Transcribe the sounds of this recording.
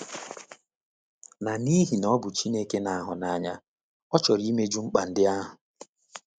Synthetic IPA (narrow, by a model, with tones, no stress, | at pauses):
na˨ni˦ɦi˨nɔ˦bʊ˨t͡ʃi˦ne˦ke˦na˨a˦ɦʊ˨na˨˦ɲa˦ | ɔ˦t͡ʃɔ˨ɾi˦me˦d͡ʒu˦ŋ͡m̩˦k͡pa˨n̩˨dɪ˦a˦ɦʊ˨